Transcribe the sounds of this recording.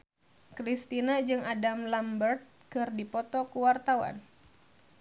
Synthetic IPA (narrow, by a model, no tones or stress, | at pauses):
kɾist̪inad͡ʒɨŋadamlambərt̪̚kɨrdipɔt̪ɔkuwart̪awa̰n